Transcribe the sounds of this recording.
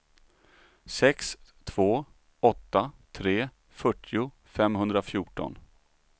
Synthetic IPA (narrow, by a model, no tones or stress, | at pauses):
sɛkst̪ʰv̥oː | ɔt̪ːat̪ʰɾeː | fœʈʰːɪʊ | fɛmɦɵnd̪ɾafjuːʈɔ̰n